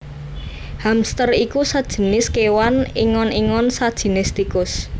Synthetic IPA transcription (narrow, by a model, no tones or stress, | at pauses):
hamst̪ərikusad̥ʒ̥ə̤nɪskewaniŋɔniŋɔnsad̥ʒ̥i̤nɪst̪ikʊs